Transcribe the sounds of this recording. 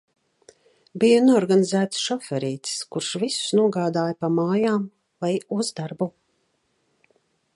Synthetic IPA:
bijunuɔɔɾɡanizæːt̪sʃɔfɛɾiːt̪skuɾʃvisu̥snuɔɡaːd̪aːjpamaːjaːm | vajuzd̪aɾbu

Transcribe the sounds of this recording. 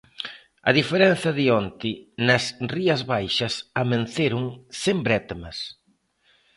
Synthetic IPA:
ɐ̰ðifeɾɛn̟θɐðiɔnt̪ɪnɐsriɐzβajʃɐsɐmen̟θeɾʊŋsembɾɛt̪mɐs

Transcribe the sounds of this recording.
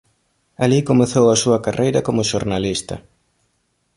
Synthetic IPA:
alikomeθowɐsuɐkarʔejɾɐkomʊʃoɾnalist̪ɐ̰

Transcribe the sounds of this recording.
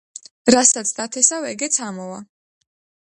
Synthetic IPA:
ɾasat̪sʰd̪at̪ʰɛsavɛɡɛt̪sʰamɔva

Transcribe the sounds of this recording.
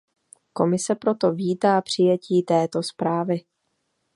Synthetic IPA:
ko̞mɪsɛpɾo̞t̪o̞viːt̪aːpr̝̥ɪjɛciːt̪ɛːt̪o̞spɾaːvɪ

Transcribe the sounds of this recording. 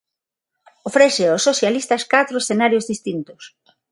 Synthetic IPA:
ofɾeseosːoθjalist̪askat̪ɾoesθenaɾjozðist̪int̪os

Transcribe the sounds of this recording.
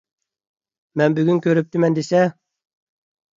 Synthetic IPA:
mɛnbyɡʲynkʲøɾyp̚t̪ɪmɛnd̪esɛ

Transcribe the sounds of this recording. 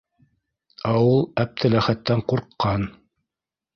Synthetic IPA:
æwulˠæp̚t̪ʰɘlæχæt̪ːæɴquɾqːɑn

